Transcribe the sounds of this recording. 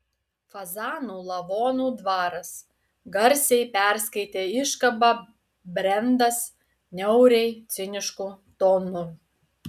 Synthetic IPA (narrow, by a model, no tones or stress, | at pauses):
fɐzɑːnuːlˠɐʋoːnuːd̪ʋɑːɾɐs | ɡɐɾʲsʲɛɪpʲɛɾʲsʲkɐɪt̪ʲeːɪʃkɐbɑ | bʲɾʲɛnd̪ɐs | nʲɛʊɾʲɛɪt̪sʲɪnʲɪʃkuːt̪oːnʊ